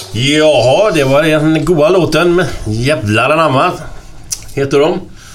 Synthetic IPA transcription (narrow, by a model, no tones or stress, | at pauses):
jɑːhd̪ɛvaɾd̪ɛnnɡuːd̪aloːt̪ənmɛjævlaɾanamːaɾ | heːt̪əɖɔm